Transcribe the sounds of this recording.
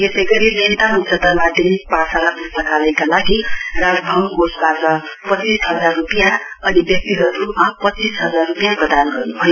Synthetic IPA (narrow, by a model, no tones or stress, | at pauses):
jesʌjɡʌɾinʌnt̪aɦunt͡sʌt̪ʌɾmad̪inipasalabusnʌkʰalajkalaɡiraɡbʱʌmɡosbatʌ | pʌt͡sisɦʌd͡zarːupijã | ʌnibjʌk̚t̪iɦʌɾumapʌt͡sːisɦʌd͡zarːupijãprʌd̪anɡʌrnubʱʌjo